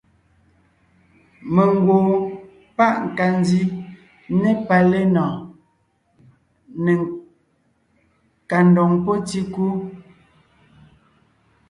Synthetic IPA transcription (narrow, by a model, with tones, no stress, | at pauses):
me˨ŋ˦ɡwo˨ | pa˦ʔŋ̩˨ka˨n˦di˦ | ne˦pa˨le˦nɔ˨ | ne˨ | ka˨n˨dɔ˨ŋpo˦ti˦ku˦